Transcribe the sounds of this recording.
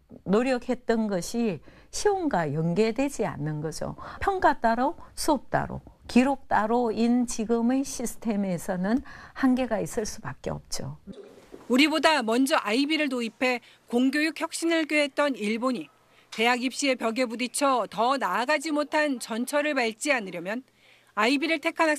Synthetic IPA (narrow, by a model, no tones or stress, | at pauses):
noɾjʌkʰe̞t̚t͈ʌnɡʌɕʰi | ɕʰioŋɡajʌnɡe̞dwe̞d͡ʑia̰nːɯnɡʌd͡ʑo̰pʰjʌŋk͈at͈aɾosʰuʌp̚t͈a̰ɾo̰kiɾok̚t͈aɾoint͡ɕiɡɯmeɕʰisʰɯ̥tʰe̞me̞sʰʌnɯnhanɡe̞ɡais͈ɯɭs͈ubak͈̚ḛʌ̰p̚t͡ɕ͈o | uɾibodamʌnd͡ʑʌʔaibiɾɯɭnoipʰe̞ | koŋɡjojuk̚ʰçjʌk̚ɕ͈inɯɭk͈oɦe̞t̚t͈ʌniɭboɲi | te̞ɦaɡip̚ɕ͈ie̞pjʌɡe̞budit͡ɕʰʌtʌnaːɡad͡ʑimotʰant͡ɕʌnt͡ɕʰʌɾɯɭpaɭt͡ɕ͈ianɯɾjʌmjʌn | aibiɾɯɭtʰe̞kʰana